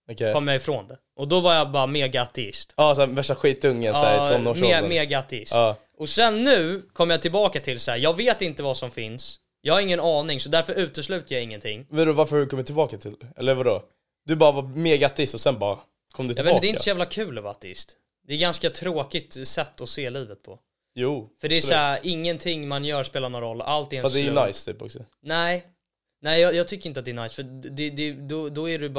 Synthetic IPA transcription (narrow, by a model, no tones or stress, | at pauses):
ɔkʰɛkɔmːjaɪfɾoːnd̪ɛ | ʔɔd̪ɔvaɾjabɑːɾameːɡaat̪ɛɪ̰st̪ɑːsavɛʂʈaɧiːt̪ʰːɵŋːənsæɾʰɔnːoːeːmeːɡaat̪ːɛɪstɑː | ɔsɛnːʉ̟ːkʰɔmːəjɑt̪ʰɪlbɑːkat̪ʰɪlsahæɾjɑːɡveːt̪ɪnt̪əvɑsɔmfɪns | jɑːɡhaɾɪŋːənɑːnɪŋsɔd̪æɾfœɾʉ̟ːt̪əslʉ̟ːt̪ajaɪŋːənt̪ʰɪ̰ŋːvad̪ɔvaɾfœɾhad̪ʉkʰɔmːət̪ʰːɪlbɑːkat̪ʰɪlɛlːəɾvadɔ | d̪̥ɵbɑːɾavameːɡaat̪ːɪst̪ɔsɛnbɑ̰ːɾa | kʰɔmd̪ɵt̪ʰːɑːd̪ɛɪsɔjæːvlakʰʉ̟ːlɛvaat̪ːɛɪ̰st̪ | d̪ɛːɡanskat̪ʰɾoːkɪt̪sɛt̪ʰːɔseːliːvət̪̚pʰɔ̰ | juːfœɖɛæsʔɪŋːənt̪ʰɪŋːmanjœːɾspeːlanɔɾɔlːʔalt̪ɪɛfad̪ɛɾjnajst̪ʰy̰ːpɔ̰ksɔ | nɛɪ | nɛɪjɑjɑːɡt̪ʰʏkːɾɪnt̪əat̪d̪ɛːnajsfœd̪ɛd̪ɛd̪ɔd̪ɔæɖɵb